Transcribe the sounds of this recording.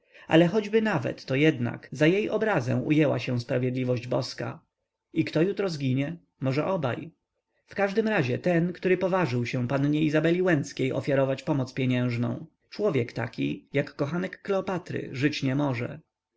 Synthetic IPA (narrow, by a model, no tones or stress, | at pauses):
a̰lɛxɔd͡ʑbɘnavɛ̰t̪ːɔjɛd̪na̰kzajejʔɔbɾazɛ̰̃w̃ʔṵjɛwa̰ɕɛ̃w̃spɾavjɛd̪lʲivɔʑd͡ʑbɔska̰ | ikt̪ɔjut̪ɾɔzɡʲiɲɛ | mɔʐɛʔɔba̰j | fkaʐd̪ɘmɾaʑɛt̪ɛnkt̪uɾɘpɔvaʐɘwɕɛw̃panɲɛizabɛlʲiwɛnt̪skʲejʔɔ̰fʲjaɾɔvat͡ɕpɔmɔt̪spʲjeɲɛ̃w̃ʐnɔ̰̃w̃ | t͡ʂwɔvʲjɛkt̪akʲijakːɔxanɛkːlɛɔpat̪ɾɘ̰ʐɘt͡ɕɲɛmɔʐɛ̰